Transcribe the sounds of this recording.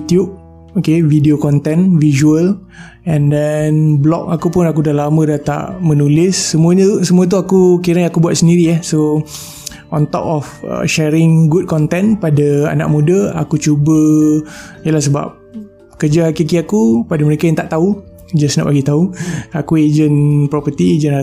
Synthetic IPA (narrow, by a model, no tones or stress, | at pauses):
ut̪jub̚ | okevideokɔnt̪ɛnvizuəl | ɛndɛnblɔ̰k̚akupʊnakudalamə̃dat̪a̰ʔmənulɪsːəmũəɲəsəmuət̪̬uakukiɾaŋakubuat̪səndiɾiahso | ʔɔnt̪ɔ̰pɔfə̰ʃɛɾɪŋɡud̚kɔnt̪ɛnpadaa̰na̰ʔ̚mudəa̰kut͡ʃubə | jəlahs̬əba̰p̚ | kəd͡ʒaɦakik̬iakupadaməɾekajaŋt̪aʔt̪au | d͡ʒasna̰pbaɡit̪auakued͡ʒənpɾɔpət̪ied͡ʒəna